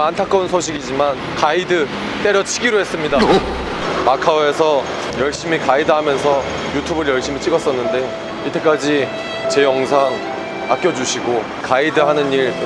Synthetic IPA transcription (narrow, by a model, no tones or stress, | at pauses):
antʰak͈ʌunsʰoɕ̬ʰiɡid͡ʑiman | kaidɯ | t͈e̞ɾjʌt͡ɕʰiɡiɾoɦe̞s͈ɯmɲida | makʰaoe̞sʰʌ | jʌɭɕ͈imikaidɯɦamjʌns̬ʰʌ | jutʰubɯɾjʌɭɕ͈imit͡ɕ͈iɡʌs͈ʌnːɯnde̞ | it͈e̞k͈ad͡ʑi | t͡ɕe̞jʌŋs̬ʰaŋ | a̰k̚k͈jʌd͡ʑuɕʰiɡo | kaidɯɦanɯniɾ